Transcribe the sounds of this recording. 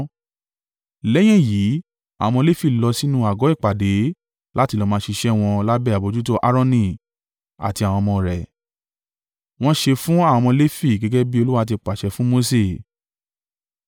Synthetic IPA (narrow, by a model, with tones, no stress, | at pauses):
lɛ˦j̃ɛ̃˦˨jiː˨˦ | a̰˨w̃ɔ̃˧le˦fi˦˨lɔ˧si˦nũ˦a˨ɡɔ˨˦i˦˨k͡pa˨de˨˦ | la˦ti˧lɔ˧mãː˧ʃi˧ʃɛ˦w̃ɔ̃˧la˦bɛ˦˨a˨bo˧d͡ʒu˦to˦ʔa˦ɾɔ̃˧nĩ˧˨ | a̰˨ti˧a˨w̃ɔ̃˧mɔ̃˧ɾɛ˨ | w̃ɔ̃˦ʃe˧fũ˦ã˦˨ɔ̃˧le˦fi˦˨ɡɛ˦ɡɛ˦bi˦o˧lu˦wa˧t̬i˧k͡pa˨ʃɛ˨˦fũ˦mo˧˦se˦˨